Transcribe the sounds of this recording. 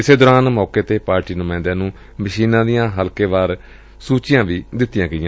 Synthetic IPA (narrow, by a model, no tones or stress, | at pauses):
ɪseːd̪ɔːɾaːnmɔːkeːt̪eːpaːɾʈiːnʊmãːnd̪ãːnũː | məʃiːnãːd̪ijãːɦəlkeːʋaːɾ | suːt͡ʃjãːʋiːd̪ɪt̪ːɪjãːɡəɪjãː